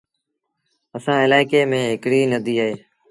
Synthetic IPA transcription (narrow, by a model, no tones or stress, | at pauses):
əsãːɪlaːɪkeːmẽːɦɪkɽiːnəd̪iːaɦeː